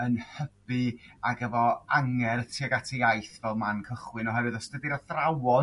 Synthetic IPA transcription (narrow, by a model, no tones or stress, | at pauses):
ənhəb̥ɨaɡəvɔaŋɛrtʰiɔɡatʰiajθvɛlˠmankʰəχwɨnɔɦɛvɨðɔstədiɾɔθrawɔ